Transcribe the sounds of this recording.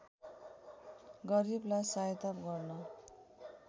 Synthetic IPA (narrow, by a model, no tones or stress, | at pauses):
ɡʌɾiblajsajt̪apɡʌrnʌ